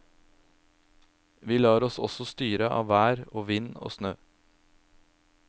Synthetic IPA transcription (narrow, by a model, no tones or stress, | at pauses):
ʋiːlɑːɾɔsɔ̰sɔst̪yːɾəʔɑ̰ːʋæːɾoːʋɪno̰ːsnøː